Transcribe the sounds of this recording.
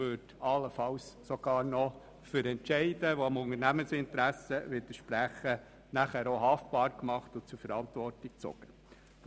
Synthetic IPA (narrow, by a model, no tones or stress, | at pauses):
øːdɑlːəfɑwssɔɡ̥ɑːɾnɔ | fʏɾɛntt͡ʃɛɪdəʋɔɑmʊŋəɾnæmənsɪntəɾæsəʋɪd̥əʃpɾæχə | næχæːɾoɦɑftb̥ɑːɾkmɑχtʊt͡sʊɾfɛɾɑnt̪vɔrtik̚t͡sɔ̰ɡ̥ə